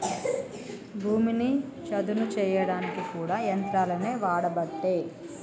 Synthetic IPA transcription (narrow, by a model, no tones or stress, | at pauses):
bʱuːminit͡ʃɐd̪unut͡ʃɛːjɐɽaːnikikuːɽaːjɐnt̪ɾaːlɐne̞ːʋaːɽɐbɐʈːe̞ː